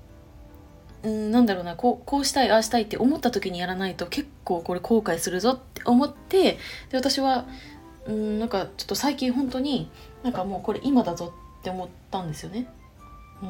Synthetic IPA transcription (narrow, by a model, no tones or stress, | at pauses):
ɯ̟̃ɰnãnd̪aɾo̞ːnako̞ːko̞ːɕi̥t̪aiaɕi̥t̪ait̪ːe̞ʔo̞mo̞t̪ːat̪o̞kʲiɲ̟ijaɾanait̪o̞ke̞kːo̞ːko̞ɾe̞kʰo̞ːkaisɨɾɯ̟zo̞t̪ːe̞ʔo̞mo̞t̪ːe̞d̪̥e̞βat̪aɕiβa | ɯ̟̃ɴnãŋkat͡ɕo̞̥t̪ːo̞saikʲĩɰ̃ɦõ̞nt̪o̞ɲ̟i | nãŋkamo̞ːko̞ɾe̞̰ʔimad̪azo̞t̪ːe̞o̞mo̞t̪ːãnd̪e̞sɨjo̞ne̞ | ɯ̟̃